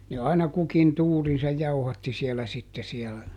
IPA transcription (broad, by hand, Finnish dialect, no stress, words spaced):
ne ɑinɑ kukin tuːrinsɑj jɑuhɑtːi siɛlæ sitːe siɛlæ